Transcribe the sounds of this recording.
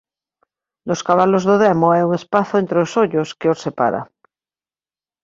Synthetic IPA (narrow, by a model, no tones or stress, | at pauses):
loskaβalozðoðemoajuŋespaθoent̪ɾeosoʎoskeosepa̰ɾa̰